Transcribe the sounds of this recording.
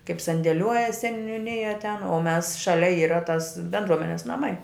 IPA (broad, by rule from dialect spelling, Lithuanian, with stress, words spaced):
kɐɪp sɐnʲdʲeːˈlʲuɔjɛ sʲɛnʲʊˈnʲɪjɛ tʲɛn oː mʲɛs ˈʃɑːlʲɛ ˈiːrɐ tɐs bʲɛndˈruɔmʲɛnʲɛs nɐˈmɐɪ